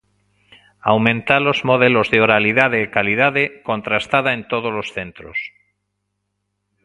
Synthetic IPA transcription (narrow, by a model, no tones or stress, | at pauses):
awmẽnt̪alo̞zmoðelozðeoɾaliðaðeːkaliðaðekõ̞nt̪ɾast̪aðaẽnt̪oð̞ozlosθe̞nt̪ɾo̰s